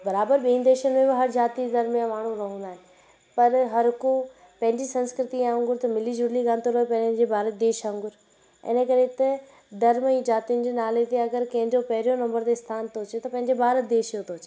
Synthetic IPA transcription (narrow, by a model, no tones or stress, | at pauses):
bɐɾaːbəɾɓĩːĩnd̪eːʃənɪ̆mẽbɪɦɐɾd͡ʑaːt̪id̪ɐɾmjãmaːɽɳ̤ũɾɐɦũnd̪aːɦe | pɐɾɦɐɾɦʊko | pɐ̃ɦɪ̃ɲd͡ʑisɐ̃nskɾɪt̪ĩãŋɡʊɾt̪ɐmɪlid͡ʑʊɾliɡaːnt̪oɾɐɦepɐ̃ɦʊnɪ̆d͡ʑeːbʱaːɾət̪̚d̪eːʃãːŋɡʊɾ | ɪ̰nəkɐɾet̪ɐ | d̪ɐɾmĩd͡ʑaːt̪iʊnɪ̆d͡ʑeːnaːlet̪eɐɡəɾkɐ̃ɦɪ̃ɲd͡ʑopɐɦɪɾijonɐ̃mbəɾt̪est̪ʰaːnt̪ʰoːt͡ɕʰet̪ɐpɐ̃ɦɪ̃ɲd͡ʑebʱaːɾət̪̚d̪eːʃjot̪ʰoːt͡ɕeː